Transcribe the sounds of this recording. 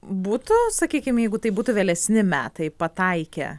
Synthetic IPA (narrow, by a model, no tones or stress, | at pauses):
buːt̪ʊsɐkʲiːkʲɪmjɛɪɡʊt̪ɐɪbuːt̪ʊʋʲeːlʲɛsʲnʲɪmʲæːt̪ɐɪpɐt̪ɐɪkʲɛ̰